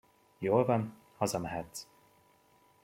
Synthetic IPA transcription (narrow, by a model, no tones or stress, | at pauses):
joːlvɒn | hɒzɒmɛɦɛt̪s